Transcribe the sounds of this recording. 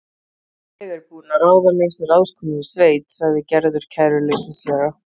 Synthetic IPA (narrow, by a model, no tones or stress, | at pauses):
ɛɣɛɾpuːnaɾaːwðanejsɾaːwskʰɔmɪisveːjt̪saɣðɪcɛɾðʏɾ̥cʰɛjɾʏlesɪslɛɾa